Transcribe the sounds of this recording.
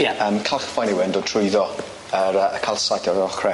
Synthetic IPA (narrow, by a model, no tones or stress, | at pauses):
jɛəmkʰalˠχfajniwɪndɔtʰrʊɨðɔ | əɾəʔəkʰalˠsadʰɔɾəɔχrɛ